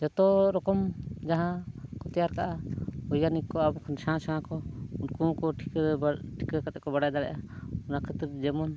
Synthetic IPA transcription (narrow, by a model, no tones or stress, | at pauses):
d͡ʒɔt̪ɔɾɔkɔmd͡ʒaɦãkɔt̪ɛjaɾkaʔaɔjanikɔabɔkʰɔnsãsããkɔunkũkɔʈʰi̥kʈʰi̥kakat̪ɛʔkɔbaɽajd̪aɽɛ̰jʔaɔnakʰɛt̪ɾd͡ʒɛmɔn